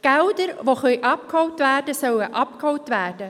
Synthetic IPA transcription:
ɡ̥ɛldəɾʋoχœʏʔɑp̚khɔwtʋæːrdəsœwəʔɑpkhɔwtʋæːrd̥ə

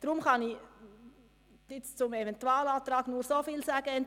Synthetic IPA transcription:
d̥ɾʊmkɑnɪ | d̥ɪt͡st͡sʊmevɛntuaːlɑːt̪rɑːɡnuːɾsoːfiːlsaːɡ̥əɛnt

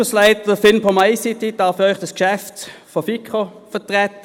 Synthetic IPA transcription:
əslæɪt̪əʁəfɪnpʰɔmaɪsɪt̪ɪd̪ɑːfœʏχd̪əskʃɛft̪fɔfɪkʰʁo | fət̪ʁɛt̪

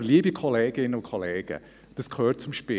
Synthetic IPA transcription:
liəbikʰɔleːɡ̥ɪnːəʊkʰɔleːɡ̥ə̰ | d̥əskʰøːt̚t͡sʊmʃpɪ

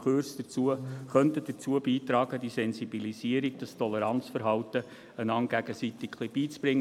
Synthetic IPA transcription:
χøɾsd̥ət͡suəχœnt̪əd̥ət͡suəbiːt̪ɾɑːɡ̥əd̥isɛnsibilisiəɾiɡ̚d̥ɑstʰɔləɾɑnt͡sfəɾɦɑltə | ənɑŋɡ̥æɡ̥əsit̪ɪkχlib̥iːt͡sb̥ɾɪŋ

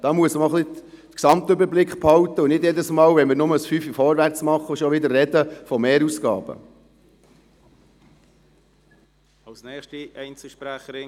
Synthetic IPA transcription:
d̥ɑːmuəsməɔχli | əksɑmt̪øbəɾblɪkχphɑwt̪əunɪdjɛd̪əsmɑːlʋɛnmɪɾnʊməsfyfifɔɾʋæɾt͡smɑχːəʃɔʋɪd̪əɾrɛd̥̪əfɔmeːɾusɡ̥ɑ̰ːbə̰ | ɑlsnɛːχʃtiɛɪnt͡sl̩ʃpɾæχəɾɪ

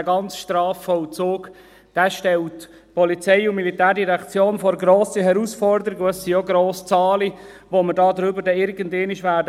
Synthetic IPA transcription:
ɡɑnt͡sʃtrɑːfːɔlt͡soːk | d̥æːʃtɛlt | pɔlit͡sɛɪʊmilitæːɾdiɾɛkt͡sjoːnfɔɾɡɾoːsəɦɛɾusfɔɾdəɾiɡəɛsioɡɾoːst͡sɑːli | ʋomədɑːd̪ɾʏbəɾdɛɪɾɡəndeːnɪʃʋæːdə

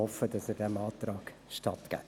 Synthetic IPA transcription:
ɔfədɑsəɾdɛmɑːt̪ɾɑːɡʃtɑt̪ɡ̥æ̰

